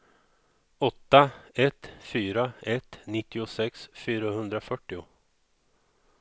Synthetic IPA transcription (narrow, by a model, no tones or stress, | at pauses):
ɔt̪ːaɛt̪fyːɾaɛt̪ːnɪt̪ːɪʊsɛksfyːɾahɵnd̪ɾafœʈːɪʊ